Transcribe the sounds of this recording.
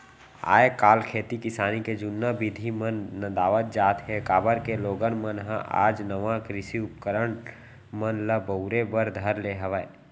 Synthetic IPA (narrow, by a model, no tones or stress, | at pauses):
a̰ːekaːlkʰeːt̪ikɪsaːniked͡ʒʊnːəbɪd̪ʱimənːəd̪aːʋət̪̚d͡ʒaːt̪ɦekaːbəɾkeloːɡənmənɦə̰̃ʔa̰ːd͡ʒnəʋãkɾɪsiʊp̚kəɾəɳ | mənləbəʊɾebəɾd̪ʱəɾleɦəʋəe